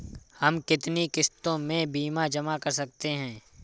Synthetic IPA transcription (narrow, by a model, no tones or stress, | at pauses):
hɐmkɪt̪nikɪst̪õmẽbiːmad͡ʒɐmakɐɾsɐk̚t̪eɦɛ̃ː